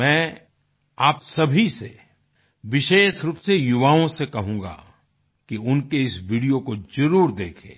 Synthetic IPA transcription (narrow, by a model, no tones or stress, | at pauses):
ɛ̃ː | aːpsɐbʱise | ʋɪʃeːʃɾʊpsejʊʋaːõsekɐɦũːŋɡa̰ | kiʊnkeɪsʋiːɖijokozɐɾuːɾd̪eːkʰḛ̃ː